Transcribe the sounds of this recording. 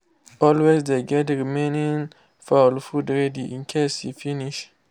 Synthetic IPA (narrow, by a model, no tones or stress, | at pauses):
ɔlwesdeɡɛtɹimẽnĩn | falfudɹɛdiʔḭ̃nkʰeshḭfiniʃ